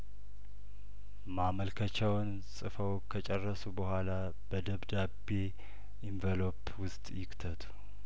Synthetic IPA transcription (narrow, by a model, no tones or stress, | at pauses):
maməlkʰət͡ʃɛwn | sʼɨfəwkʰət͡ʃʼɛrːəsubəhʷala | b̥əd̪əβd̪ab | e̞ | ʔiɱvəlo̞p | wʊst̪ʼjɪkt̪ʰət̪ʰu̥